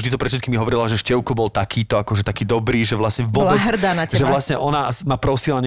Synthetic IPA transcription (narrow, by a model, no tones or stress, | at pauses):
ʒd̪it̪ɔpɾɛt̪fʃɛt̪kiːmiɦɔʋɔɾilaʒɛʃcɛʊkɔbɔlt̪akʰiːt̪ɔakɔʒɛt̪akiːd̪ɔbɾiːʒɛʋlasɲɛʋɔɔlauɦr̩d̪aːnaʒɛʋlasɲɛʔɔnamapɾɔsilaɲɛ